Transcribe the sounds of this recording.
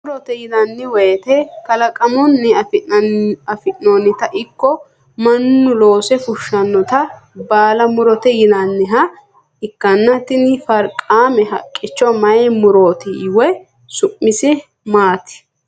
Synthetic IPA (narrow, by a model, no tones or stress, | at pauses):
mʊɾɔt̪ɛjɪd̪ɐnːɪwɛːt̪ɛkɐlɐkʼɐmɔnːɪ | ɐfɪnonɪt̪ɐʔɪkːɔ | mɐnːʊlo̞ːsɛfʊʃːɐnːɔt̪ɐbaːlɐmʊɾɔt̪ɛjɪd̪ɐnːɪɦɐ | ɪkːɐnːɐt̪ɪnɪfɐɾkʼaːmɛɦɐ̰kʼːɪt͡ʃːɔmɐjɛmʊɾoːt̪ɪwɛ | sʊʔːɪsɛ | maːt̪ɪ̥